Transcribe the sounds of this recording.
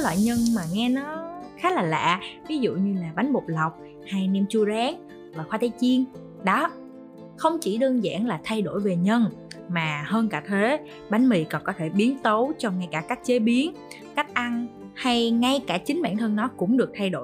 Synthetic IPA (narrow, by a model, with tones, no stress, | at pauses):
lwa̰ː˧˨jɲə˧nmaː˨˩ŋɛ˧nɔ˨˦xaː˨˦˥laː˨˩la̰ː˧˨vi˨˦zṵ˧˨ɲɨ˧laː˨˩ɓa˨˦jŋ̟ɓo˨˩t̚la˨˩wk͡p̚ | ha˧jnɛ˧mt͡ɕu˧zaː˨˦ŋ | vaː˨˩xwaː˧t̪ʰːjt͡ɕi˧ən | ɗɔ˨˦ | xə˧wŋ͡mt͡ɕi˧˩ɗəː˧nza̰ː˧˩˨nlaː˨˩t̪ʰa˧jɗo˧˩jve˨˩ɲə˧nmaː˨˩həː˧nkaː˧˩t̪ʰe˨˦ | ɓa˨˦jŋ̟mḭ˧˨kɔ˨˩nkɔ˨˦t̪ʰe˧˩ɓi˨˦ənt̪o˨˦wt͡ɕɔ˧wŋ͡mŋa˧jkaː˧˩kaː˦˥k̚t͡ɕe˨˦ɓi˨˦ən | ka˦˥jk̚ʔa˧n | ha˧jŋa˧jkaː˧˩t͡ɕï˨˦ŋ̟ɓa̰ː˧˩˨nt̪ʰə˧nnɔ˨˦kʊ̰˧˥ŋ͡mɗɨ˨˩ək̚t̪ʰa˧jɗo̰˧˩˨